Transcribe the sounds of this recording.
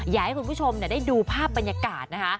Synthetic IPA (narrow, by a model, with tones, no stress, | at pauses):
jaː˨˩˦ha˦jkʰu˧npʰu˥˩t͡ɕʰo˧mni˥˩da˥˩jduː˧pʰaː˥˩p̚ːa˧njaː˧kaː˨˩t̪̚na˦˥kʰa˦˥